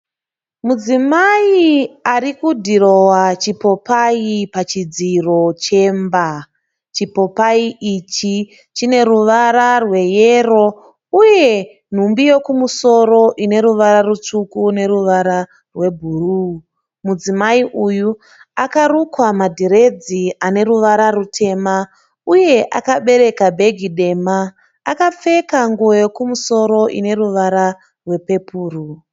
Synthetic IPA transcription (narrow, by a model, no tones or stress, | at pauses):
mud͡zimaiarikudʱiro̞wat͡ʃipo̞paipat͡ʃid͡ziro̞t͡ʃe̞mba | t͡ʃipo̞paiʔit͡ʃi | t͡ʃine̞ɾuʋaɾarwe̞jero̞ | uje̞ | n̤umbijo̞kumuso̞ɾo̞ʔine̞ɾuʋaɾarut͡ʂukune̞ɾuʋaɾa | rwe̞bʱuru | mud͡zimaiʔuju | akarukwamadʱiɾe̞d͡ziane̞ɾuʋaɾarutʰe̞ːma | uje̞ʔa̰kaɓe̞ɾe̞kabʱe̞ɡʱiɗe̞ːmaː | kap͡fe̞kaŋɡuojo̞kumuso̞ɾo̞ʔḭne̞ruʋaɾa | rwe̞pe̞puːru